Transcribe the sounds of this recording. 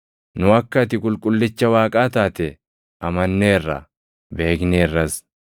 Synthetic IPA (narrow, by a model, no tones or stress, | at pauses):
nʊɐkːɐt̪ɪkʼʊlkʼʊlːɪt͡ʃːɐwaːkʼaːt̪aːt̪ɛ | ɐmɐnːeːrːɐ̰ | be̞ːkneːrːɐs